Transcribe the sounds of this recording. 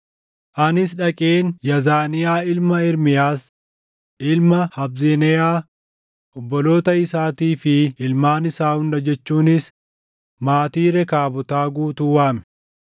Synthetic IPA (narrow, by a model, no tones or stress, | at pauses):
ʔɐnɪs̬ᶑɐkʼeːnjɐzaːnɪjaːɪlmɐɪɾmɪjaːs | ʔɪlmɐhɐbzenɛjaː | ɔbːɔlo̞ːt̪ɐɪsaːt̪iːfɪːlmaːnɪsaːhʊnᶑɐd͡ʒɛt͡ʃːuːnɪs | maːt̪iːɾɛkaːbɔt̪aːɡuːt̪uːwaːmɛ